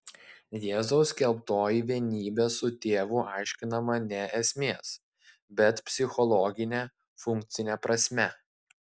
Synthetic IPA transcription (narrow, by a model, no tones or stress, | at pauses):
jeːzɐʊskʲɛlˠpt̪oːjiʋʲiɛnʲiːbʲeːsʊt̪ʲeːʋʊʔɑˑɪʃʲkʲɪnɐmɐnʲɛɛsʲmʲeːs | bʲɛt̪pʲsʲɪxɔlˠɔːɡʲɪnʲe | fʊŋk̚ʲt̪sʲɪnʲɛpɾɐsʲmʲɛ